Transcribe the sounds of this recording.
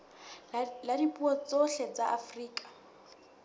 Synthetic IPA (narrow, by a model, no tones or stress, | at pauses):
ladipʼuɔt͡sɔɬɛt͡saʔafriːkʼḁ